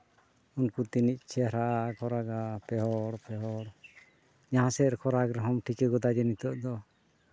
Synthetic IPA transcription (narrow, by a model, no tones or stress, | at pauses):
unkut̪inic̚ˀt͡ʃʰɛɾaʔakʰɔɾaɡapɛɦɔɽpɛɦɔɽ | d͡ʒãɦãsɛɾkʰɔɾaɡɾɛɦɔmʈʰikɛɡɔd̪ad͡ʒɛnit̪ɔʔd̪ɔ